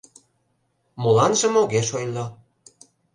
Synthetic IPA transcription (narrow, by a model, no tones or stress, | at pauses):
molɑnʒĕmoɣeʃojlɑ